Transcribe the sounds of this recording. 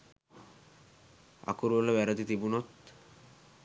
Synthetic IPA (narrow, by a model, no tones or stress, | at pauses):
a̰kuɾbolabɛɾat̪it̪ibunot̪